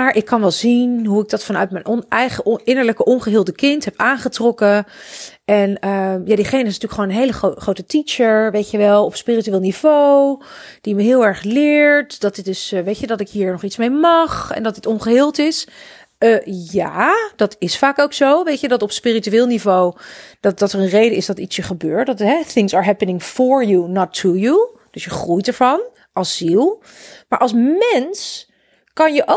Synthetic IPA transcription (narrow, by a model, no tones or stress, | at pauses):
maːɹʔɪkʰːɑnʋɛlˠzinɦuɪɡ̚dɑtfɑnœɥt̚mɛjnʔɔnɛjχəɪnəɹləkəʔɔnχəɦɪːlˠdəkɪntɦɛpaːnχətrɔkə | ɛnəmjaːdiχejnəɪsntyːlkχəʋoːnənɦejləχoχrowtətit͡ʃəɹʋejtjəʋɛlˠɔpspiːrityʋeːlˠniv̥owd̥iməɦɪːlˠɛɹχlɪːɹtdɑtɪt̚dɵsʋejtjədɑtɪkɦiːɹnɔχitsmejmɑχɛ̰ndɑtətɔnχəɦɪːlˠtɪs | əjaːd̥ɑtɪsfaːkowksowʋejtjədɑtɔpspirityʋɪːlˠnivowd̥ɑdɑtəɹənrejdəɪsdɑtitsjəχəbøːɹtdtɦɛθɪŋsaːɹɦɛpənɪ̃ŋfɔɹjunɔtʰːuju | d̥əsjəχrujtɛɹvɑn | ɑlˠsːilˠ | ma̰ːɹʔɑlˠsmɛns | kɑnjəʔo